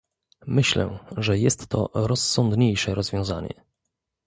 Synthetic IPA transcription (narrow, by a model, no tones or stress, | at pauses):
mɘɕlɛ̰ʐɛjɛst̪ːɔ̰ɾɔsːɔnd̪ɲejʂɛɾɔzvʲjɔ̃w̃zaɲɛ̰